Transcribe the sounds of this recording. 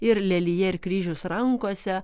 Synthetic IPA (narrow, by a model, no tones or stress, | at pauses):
ɪɾlʲɛlʲijɛɪɾkɾʲiːʒʲʊːsɾɐŋkoːsʲɛ